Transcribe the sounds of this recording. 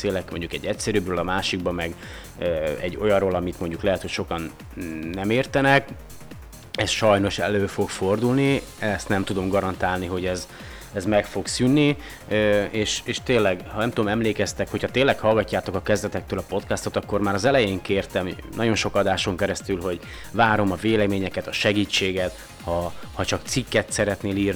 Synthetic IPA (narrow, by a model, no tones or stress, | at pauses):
seːlɛkmo̞ɲɟukɛɟːɛcsɛɾybrøːlɒmaːʃiɡ̚bɒmɛɡ | øːɛ̰ɟːo̞̰jɒroːlɒmit̪mo̞ɲɟuklɛɦɛt̪ho̞cʃo̞kɒnː | ɛmeːrt̪ɛnɛk | ɛsʃɒjno̞ʃɛ̰løːfo̞kfo̞rd̪ulni | ɛst̪nɛmt̪ud̪o̞mɡɒɾɒnt̪aːlniɦo̞ɟɛz | ɛzmɛkfo̞ksynːi | øeːʃeːʃt̪eːnlːɛɡhɒnɛmt̪ud̪mɛmleːkɛst̪ɛkho̞chɒt̪eːlːɛkhɒlɡɒcːaːt̪o̞kɒkɛzd̪ɛt̪ɛk̚t̪øːlɒpo̞t̪kɛst̪o̞t̪ɒkːo̞rmaːɾɒzɛlɛjeːŋkeːrt̪ɛm | nɒɟo̞nʃo̞kɒd̪aːʃo̞ŋkɛɾɛst̪ylɦo̞ɟ | vaːɾo̞mɒveːlɛmeːɲɛkɛt̪ɒʃɛɡiːt͡ʃːeːɡɛt̪ | hɒhɒt͡ʃɒkt̪sikːɛt̪sɛɾɛt̪neːliːrn